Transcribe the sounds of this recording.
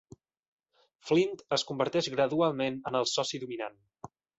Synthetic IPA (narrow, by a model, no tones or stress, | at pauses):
flint̪əskumbəɾt̪ɛʒɣɾəðualˠmenənəlˠsɔsiðumina̰n